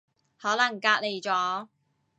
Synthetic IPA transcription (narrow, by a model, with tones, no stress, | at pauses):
hɔː˨˥lɐ˨˩ŋkaː˧k̚le˨˩jt͡sɔː˨˥